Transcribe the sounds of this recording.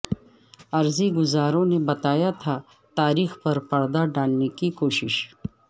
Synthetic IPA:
ɐɾziɡʊzaːɾõnebɐt̪aːjat̪ʰa | t̪aːɾiːxpɐɾpɐɽd̪aɖaːlnekikoːʃɪ̰ʃ

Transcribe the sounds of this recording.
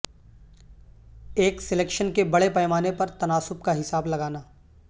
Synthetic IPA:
eːksɪleːkʃənkebɐɽepɛːmaːnepɐɾt̪ɐnaːsʊp̚kaɦɪsaːblɐɡaːnaː

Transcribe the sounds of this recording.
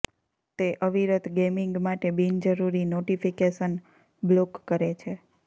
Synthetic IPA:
t̪eʔəʋiɾət̪ɡemiŋɡmaʈebind͡ʒəɾuɾinoʈifikeʃən | blokːəɾet͡ʃʰe

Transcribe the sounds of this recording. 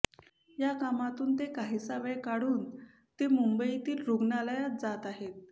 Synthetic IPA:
jakamat̪uːnt̪ekaɦisaʋəjkaɽuːn | t̪emumbəit̪iːlɾuɡnaləjat̪̚d͡zat̪aɦet̪̚

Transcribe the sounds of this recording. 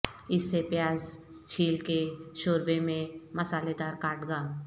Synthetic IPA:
ɪsːepjaːz | t͡ʃʰiːlkeʃoːɾbemẽmɐsaːled̪aːɾkaːʈɡaː

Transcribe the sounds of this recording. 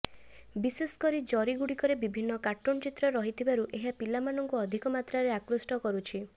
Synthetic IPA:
bisesɔ̥kɔɾid͡ʒɔɾiɡuɽikɔɾebibʱinːɔkaʈːont͡ʃit̪ɾɔɾɔɦit̪ʰibaɾuʔeɦapilamanɔŋkuɔd̪ʱikɔmat̪ɾaɾeakɾusʈɔkɔɾut͡ʃʰi

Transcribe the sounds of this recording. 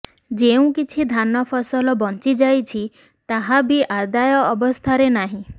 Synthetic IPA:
d͡ʒeũkit͡ʃʰid̪ʱanɔpʰɔsɔlɔbɔnt͡ʃid͡ʒajt͡ʃʰi | t̪aɦabiʔaɾd̪ajɔːbɔst̪ʰaɾenaɦĩ

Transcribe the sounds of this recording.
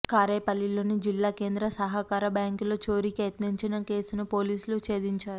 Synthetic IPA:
kaːɾeːpɐlːilo̞ːnid͡ʒilːaːke̞ːnd̪ɾɐsɐɦɐkaːɾɐbjaːŋkloːt͡ʃo̞ːɾikejɐt̪niɲt͡ʃinɐke̞ːsunɐpo̞ːliːsulut͡ʃe̞ːd̪iɲt͡ʃaːɾuu

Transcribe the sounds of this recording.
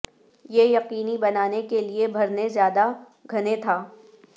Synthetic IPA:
jejɐqiːnibɐnaːnekeliebʱɐɾnezjaːd̪a | ɡʱɐnet̪ʰaː

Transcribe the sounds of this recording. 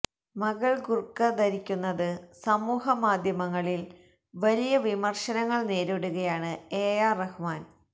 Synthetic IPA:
mɐɣɐɭɡurkːɐd̪ɐɾikʲːunːɐðɨsɐmuːɦɐmaːd̪ʱjɐmɐŋːɐɭil | ʋɐlijɐʋimɐrʂɐnɐŋːɐɭne̞ːɾoɽuɣɐjaːɳɨeːjaːrɐhumaːn

